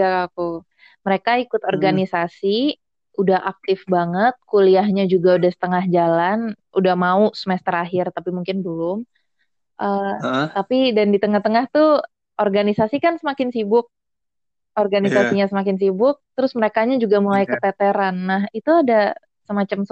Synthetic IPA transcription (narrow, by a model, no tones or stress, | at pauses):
akaku | məɾekaikʊt̪ɔrɡanisasi | udahʔak̚t̪ɪfbaŋət̪̚kuliaɦɲad͡ʒuɡaudahsə̥t̪əŋahd͡ʒalanudahmausəmɛst̪əɾaɦɪrt̪apimuŋkɪnbəlʊm | ʔət̪apidandit̪əŋaht̪əŋaht̪u | ʔɔrɡanisasikansəmakɪnsibʊk̚ | ʔɔrɡanisasiɲasəmakɪnsibʊk̚t̪əɾʊsməɾekaɲad͡ʒuɡamulajkət̪ɛt̪eɾanːaɦit̪uada | səmat͡ʃams